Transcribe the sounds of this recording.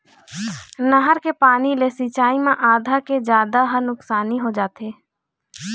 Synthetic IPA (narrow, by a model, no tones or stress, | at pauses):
nəɦəɾkepaːnilesiːt͡ʃaːimẽʔaːd̪ʱaked͡ʒjaːd̪aɦənʊksaːniɦod͡ʒaːt̪eː